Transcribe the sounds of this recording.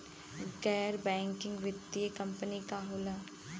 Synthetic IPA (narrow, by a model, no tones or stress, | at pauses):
ɡɛːɾbɛ̃ːŋkɪ̃ŋɡʋɪt̪ːiekəmpənikaɦoːlaː